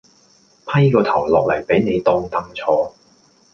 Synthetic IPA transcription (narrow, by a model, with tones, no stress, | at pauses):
pʰɐ˥jkɔː˧t̪ʰɐ˨˩wlɔː˨k̚lɐ˨˩jpe˨˥jne˨˧jt̪ɔː˧ŋt̪ɐ˧˥ŋt͡ʃʰɔː˧